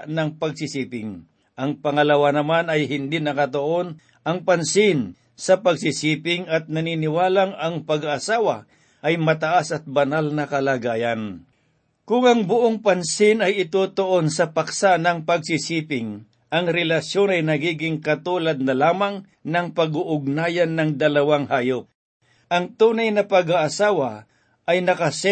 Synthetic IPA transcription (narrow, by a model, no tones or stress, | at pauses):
nɐŋpɐɡ̚sɪsiːpɪŋ | ʔɐŋpɐŋɐlɐwanɐmanɐjɦɪnd̪inɐkɐt̪oʔo̞n | ɐŋpansɪn | sɐpɐɡsisiːpɪŋɐt̪̚nɐniːnɪwaːlaŋɐŋpɐɡaʔːsaːwa | ʔɐjmɐt̪ɐʔasɐt̪̚bɐnalnɐkɐlaːɡaːjan | kʊŋɐŋbʊʔoŋpɐnsɪnɐjɪt̪uːt̪oʔonsɐpaksanɐŋpɐɡ̚sɪsiːpɪŋ | ʔɐŋɾɛlɐʃjo̞nɐjnɐɡiːɡɪŋkɐt̪uːlɐd̪̚nɐlaːmaŋ | nɐŋpɐɡuʔʊɡ̚naːjanːɐŋd̪ɐlɐwaŋhaːjop̚ | ʔɐŋt̪uːnajnɐpɐɡaʔasaːwa | ʔɐjnɐkɐsɛ